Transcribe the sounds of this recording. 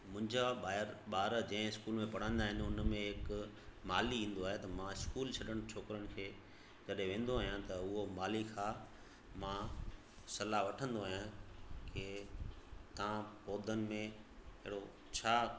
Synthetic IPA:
mʊ̃ɦɪ̃ɲd͡ʑaɓaːɪɾɓaːɾd͡ʑɐ̃ɦɪ̃ɪskuːlmẽpɐɽ̤ə̃ːnd̪aːɦɪnɪ̆ʊnmẽɦɪk | maːliĩːn̆d̪oaːɦet̪ɐmãɪskuːlt͡ɕʰɐɗəɽ̃t͡ɕʰoːkɪɾəɽ̃ɪ̆kʰeː | d͡ʑɐɗɦẽʋẽːn̆d̪oaːɦijãt̪ɐʊɦomaːlikʰaː | mã | sɐlaʋɐʈʰə̃nd̪oaːɦijãkʰe | t̪ɐãpoːd̪ʱənɪ̆mẽɪ̰ɦɪɽo | t͡ɕʰaː

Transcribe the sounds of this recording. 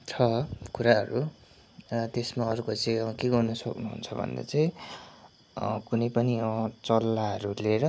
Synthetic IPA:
t͡sʰʌkuɾaɦʌɾu | ʌt̪esmaʌɾukot͡saĩʌkeɡʌrnʌsʌknuɦṵnt͡sʰʌbʱʌ̰nd̪a̰t͡saĩ | kunʌjpʌnit͡sʌlːaɦʌɾuleɾʌ

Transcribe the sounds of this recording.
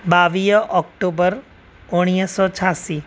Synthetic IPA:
baʋijʔɔkʈobəɾ | oɽ̃ijəsɔt͡ʃʰasi

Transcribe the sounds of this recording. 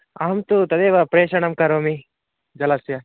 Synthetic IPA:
ɐɦɐmt̪ut̪ɐd̪eːʋɐpɾeːʃɐɳɐmkɐɾoːmi | d͡ʒɐlɐsjɐ

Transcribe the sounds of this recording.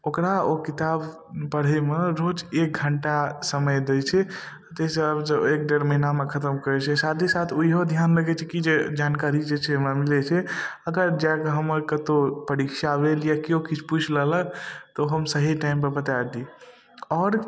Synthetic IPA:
okɾaokit̪ab | pəɽ̤emeɾod͡ʒek̚ɡʱəɳʈasəməjd̪et͡ʃʰɛ | t̪esəbsəek̚ɖeɾməɦinamekʰət̪əmkəɾɛt͡ʃʰɛsat̪ʰisat̪ʰoiɦod̪ʱjanɾəɡɛt͡ʃʰɛkid͡ʒed͡ʒankaɾid͡ʒet͡ʃʰɛmemilɛt͡ʃʰɛəɡəɾd͡ʒɛkeɦəməɾkət̪opəɾikʃabeljakiokit͡ʃʰput͡ʃʰlələt̪oɦəmsəɦiʈaimpəbət̪ad̪i | ɔːɾ

